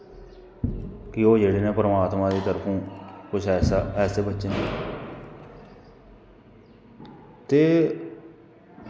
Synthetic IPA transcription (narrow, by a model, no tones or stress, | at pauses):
kɪoːd͡ʒeːɽeːnẽːpəɾəmaːt̪mãːd̪iːt̪əɾpʰũːkʊt͡ʃʰːsaɛːseːbətːʃeːne | t̪eː